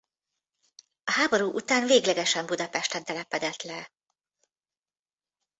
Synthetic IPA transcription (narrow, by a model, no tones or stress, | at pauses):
ɒhaːbo̞ɾuːʔut̪aːnveːɡlɛɡɛʃɛmbud̪ɒpɛʃt̪ɛnt̪ɛlɛpɛd̪ɛt̪lɛ